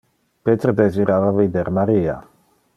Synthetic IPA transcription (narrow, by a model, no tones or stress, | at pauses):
pet̪ɾed̪eziɾavavid̪eɾmaɾia̰